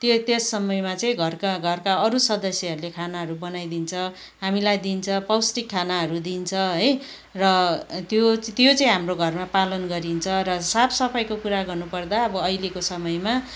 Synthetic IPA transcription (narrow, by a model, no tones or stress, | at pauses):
t̪jot̪esːʌmʌjmat͡sʌĩɡʱʌrkaɡʱʌrkaʌɾusʌd̪ʌsjʌɦʌɾulekʰanaɦʌɾubʌnajd̪int͡sʰʌ | ɦamilajd̪int͡sʰʌpʌwsʈikʰːanaɦʌɾud̪int͡sʰʌɦʌj | rʌt̪jot̪jot͡sʌĩɦamroɡʱʌrmapalʌnɡʌɾint͡sʰʌɾʌsapʰsʌpʰʌjkokuɾaɡʌrnupʌrd̪aʌbʌʌjlekosʌmʌjma